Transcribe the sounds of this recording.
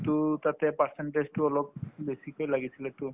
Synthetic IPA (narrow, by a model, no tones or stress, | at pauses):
t̪ut̪at̪ɛpaseɳʈezʈuɔlɔp̚besikojlaɡisʰilɛt̪u